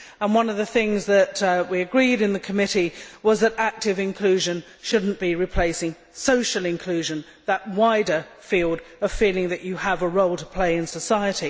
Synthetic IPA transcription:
ə̃nwʌ̃nʌvðɨθɪ̃ŋzðɨt̚wiɨɡɹiɾɨ̃nðɨkʰəmɪɾiwʌzðɨɾæk̚tɨvɨ̃nkʰl̥ʉʒɨ̃n | ʃʊdⁿn̩b̥iɹɨpʰl̥eɪsɪ̃ŋ | soʊʃl̩ˠɨ̃nkʰl̥ʉʒɨ̃n | ðəʔ̚waɪɾə˞filˠdʌv̥filˠɪ̃ŋðɨt͡ʃɨəvəɹoʊlˠtʰə̥pʰl̥eɪɨ̃nsəsaɪɨɾi

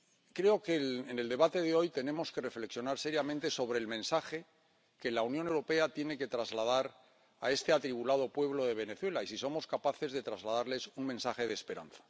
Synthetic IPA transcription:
kɾe̞o̞keene̞ld̪e̞βat̪e̞ðeo̞jt̪e̞ne̞mo̞ske̞refleksjo̞naɾse̞ɾjamẽnt̪e̞so̞βɾe̞ːlmẽ̞nsaxe̞ | ke̞launjonewɾo̞pe̞at̪je̞ne̞ke̞t̪ɾazlað̞aɾ | ae̞st̪e̞at̪ɾiβulað̞o̞pwe̞βlo̞ðe̞β̞e̞ne̞θwe̞laisiso̞mo̞skapaθe̞zðe̞t̪ɾazlaðaɾle̞suŋmẽnsaxe̞ð̞eːspe̞ɾa̰nθḁ

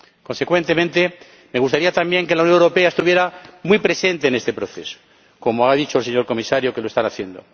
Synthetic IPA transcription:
ko̞nse̞kwe̞nt̪e̞mẽnt̪e̞ | meɣ̞ust̪aɾiat̪ambje̞ŋke̞launjonewɾo̞pe̞aest̪uβje̞ɾamwijpɾe̞se̞nt̪e̞ːne̞st̪e̞pɾo̞θe̞so̥ | ko̞moaðit͡ʃolseɲo̞ɾko̞misaɾjoke̞loe̞st̪anaθje̞nd̪o̞̰

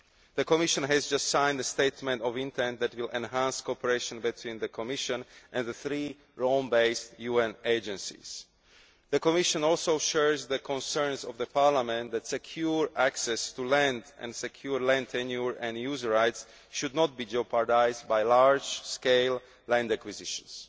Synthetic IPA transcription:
ðəkɔmɪʃɔ̃nɦɛzd͡ʒast̪sãɪ̃ndəst̪eɪt̪mɛ̃ntɔvĩnt̪ʰɛ̃nt̪ðɛt̪wilɛ̃nɦæ̃nskɔpəɹeʃɔ̃nbit̪ʰwĩːnðəkʰɔmɪʃə̃nʔɛ̃nðəθɹi | ɹõmbeɪstjuɛ̃neɪd͡ʒɛ̃nsḭz̥ | ðəkɔmɪʃɔ̃nɔlˠsoʊʃɛɹzðəkʰɔ̃nsɛ̃ɹnzɔvðəpaɹlamɛ̃nt̪d̪ɛtsɛkʰjuɹʔæksɛst̪ulɛ̃ndɛ̰̃nsɛkʰjuɹlɛ̃nt̪ʰɛnjuɹɛ̃njuzəɹajts | ʃud̪nɔt̪̚biːd͡ʒopaɹdajzd̚bajlaɹd͡ʒskeɪl | lɛ̃ndækwizɪʃɔ̃ns

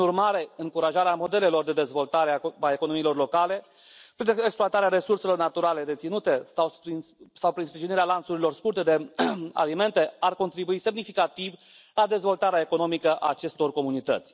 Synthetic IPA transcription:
pinurmaɾe̞ɨŋkuɾaʒaɾeamo̞d̪e̞le̞lo̞rd̪e̞d̪e̞zvo̞lt̪aɾeaaekono̞miːlo̞rlo̞kale̞ | pɾineksploat̪aɾeaɾe̞surse̞lo̞rnat̪uɾale̞d̪e̞t̪sinut̪e̞sawpisawpɾinspɾiʒiniɾealant̪suɾilo̞rskurt̪e̞d̪e̞a̰lime̞nt̪e̞arko̞nt̪ɾibuise̞mnifikat̪iv | lad̪e̞zvo̞lt̪aɾeae̞ko̞no̞mikəʔa̰ːt͡ʃe̞st̪o̞rko̞munit̪ə̰t̪sʲ

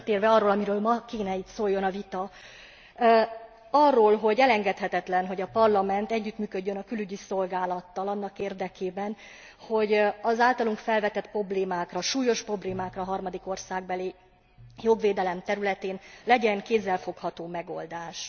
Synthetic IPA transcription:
t̪eːrvɛɒrːoːlɒmiɾøːlmɒkeːnɛit̪soːjːo̞nɒvit̪ɒ | ɒrːoːlɦo̞ɟɛlɛŋɡɛt̪hɛt̪ɛt̪lɛnɦo̞ɟɒpɒrlɒmɛnt̪ɛɟːyt̪myːkø̞ɟːønɒkylyɟiso̞lɡaːlɒt̪ːɒlɒnːɒkeːrd̪ɛkeːbɛn | ho̞ɟɒzaːlt̪ɒluŋkfɛlvɛt̪ɛt̪pro̞bleːmaːkrɒʃuːjo̞ʃpro̞bleːmaːkrɒɦɒrmɒd̪iko̞rsaːɡ̚bɛli | joɡveːd̪ɛlɛmt̪ɛɾylɛt̪eːnlɛɟɛŋkeːzːɛlfo̞khɒt̪oːmɛɡo̞̰ld̪aːʃ

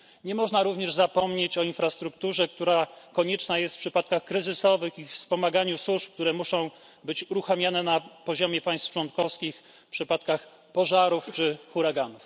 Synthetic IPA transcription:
ɲɛmɔʐnaɾuvɲɛʐzapɔmɲet͡ɕɔinfɾast̪ɾukt̪uʐɛk̚t̪uɾakɔɲɛt͡ʂnajɛst̪fpʂɘpat̪̚kaxkɾɘzɘsɔvɘxifspɔmaɡaɲuswuʂp̚k̚t̪uɾɛmuʂɔ̃w̃ | bɘt͡ɕuɾuxamʲjanɛnapɔʑɔmʲjɛpaj̃st̪ft͡ʂwɔnkɔfskʲix | pʂɘpat̪kax | pɔʐaɾuft͡ʂɘxuɾaɡanuf

